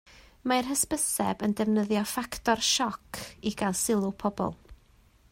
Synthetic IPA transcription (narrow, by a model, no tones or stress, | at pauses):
maɪrhəspəsɛbəndɛvnəðjɔfaktɔrʃɔkʰiɡ̥alˠsɪlˠʊpʰɔbɔ̰lˠ